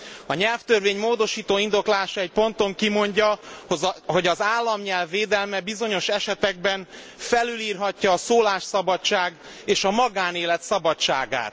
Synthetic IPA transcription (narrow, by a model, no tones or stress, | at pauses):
ɒɲɛlft̪ørveːɲmoːd̪o̞ʃiːt̪oːind̪o̞klaːʃɒɛc̚po̞nt̪o̞ŋkimo̞ɲɟɒhzɦo̞ɟɒzaːlːɒmɲɛlvːeːd̪ɛlmɛbizo̞ɲo̞ʃɛʃɛt̪ɛɡ̚bɛn | fɛlyliːrɦɒcːɒːsoːlaːʃsɒbɒt͡ʃaːɡ | eːʃɒmɒɡaːneːlɛt̪sɒbɒt͡ʃa̰ːɡa̰ːt̪